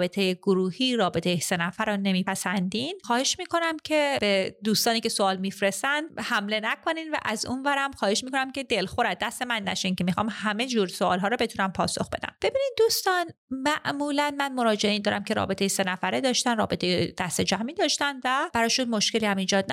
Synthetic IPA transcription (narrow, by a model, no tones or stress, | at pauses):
be̞t̪ʰejeɡoɾuːhiːɾɒːbe̞t̪ʰejese̞næfæɾɔne̞miːpʰæsænd̪inxɒːhe̞ʃmiːkʰo̞næmcʰe̞b̥ed̪uːst̪ɒːniːce̞soɒːlmifɾest̪ænd̪hæmle̞nækʰo̞niːnvæ̰ʔæzṵnvæɾæmxɒːhe̞ʃmiːkʰo̞næmcʰe̞d̪e̞lxoɾæd̪̚ːæst̪e̞mænːæ̰ʃincʰe̞mixɒːmhæme̞d͡ʒuːɾsoɒ̰ːlɦɒːɾɔbe̞t̪ʰunæmpʰɒ̰ːso̞̰xbe̞d̪æ̰mb̥e̞biːnid̪̚ːuːst̪ɒn | mæʔmuːlænmænmo̞ɾɒːd͡ʒeeind̪ɒːɾʔæmcʰeɾɒ̰ːbe̞t̪ejese̞næfæɾed̪ɒːʃt̪ænrɒ̰ːbe̞t̪ʰe̞jed̪æst̪ed͡ʒæmiːd̪ɒːʃt̪ænd̪væb̥æɾɒːʃunmo̞ʃce̞liːhæmiːd͡ʒɒːd̪̚næ